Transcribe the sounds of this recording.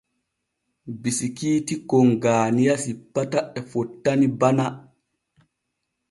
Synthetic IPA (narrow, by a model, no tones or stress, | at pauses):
bisikiːtikɔŋɡaːnijasipːataɛfɔtːanibana